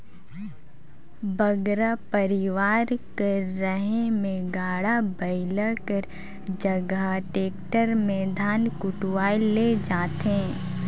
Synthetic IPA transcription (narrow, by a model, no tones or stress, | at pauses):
bɐɡɾapəɾɪʋaːɾkɐɾːəɦemẽɡaːɽabɐɪləkəɾ | d͡ʒɐɡaʈeːk̚ʈəɾmẽd̪ʱaːnkʊʈwaːiled͡ʒaːt̪ẽː